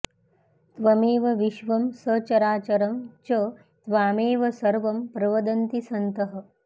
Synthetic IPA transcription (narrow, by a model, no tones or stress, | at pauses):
t̪ʋɐmeːʋɐʋiʃʋɐmsɐt͡ʃɐɾaːt͡ʃɐɾɐmt͡ʃɐ | t̪ʋaːmeːʋɐsɐɾʋɐmpɾɐʋɐd̪ɐnt̪isɐnt̪ɐɦɐ